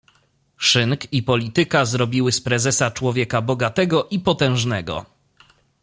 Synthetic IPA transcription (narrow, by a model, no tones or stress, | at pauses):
ʂɘŋkipɔlʲit̪ɘkazɾɔbʲiwɘspɾɛzɛsat͡ʂwɔvʲjɛkabɔɡat̪ɛɡɔʔipɔt̪ɛ̃w̃ʐnɛɡɔ̰